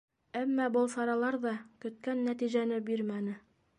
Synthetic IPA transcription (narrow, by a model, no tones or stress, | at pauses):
æmːɑbɤlˠsɑɾɑlˠɑɾðɑkɵ̆t̪̚kænːæt̪iʑænɘbiɾmænɘ